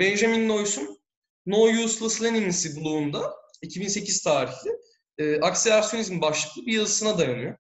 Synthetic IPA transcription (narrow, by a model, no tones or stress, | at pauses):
bɛnʒaminino̞jsunː | o̞juslˠaslʲˠeninisibulˠuːnd̪aicʰibinse̞cʰiz̥t̪ʰaːɾiçlʲɪː | ʔaksilʲasjoizmbaʃlˠɯklˠɯbijazɯsɯnad̪ajanyjo